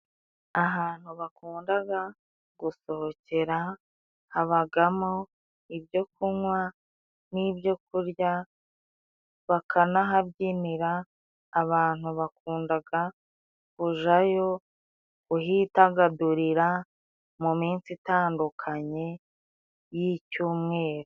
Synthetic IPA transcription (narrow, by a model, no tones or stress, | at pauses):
aβaːn̥huβakuːndaɡa | ɡuso̞ho̞ce̞ɾaː | βaɡamo̞ | ibjo̞kuwa | nibjo̞kuɾja | βakʰanaɦabɟiniɾaː | βaːn̥huβakuːndaɡa | kuʒajo̞ | ɡuɦiːtaɡaduɾiɾa | mumiːnsitaːndukʰaɲe̞ | jicuːmŋe̞ːɾo